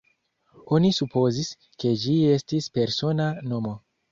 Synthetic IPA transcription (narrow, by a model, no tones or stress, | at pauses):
o̞nisupʰo̞zis | ke̞d͡ʒie̞stispe̞ɾso̞nano̞mo̞